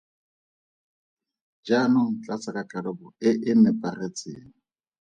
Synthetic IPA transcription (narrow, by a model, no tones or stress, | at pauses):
d͡ʒanʊŋ̩t͡ɬʼat͡sakʼat͡ɬʼaɺɔbɔɪʔɪnɪpʼaret͡sʼɪːŋ̩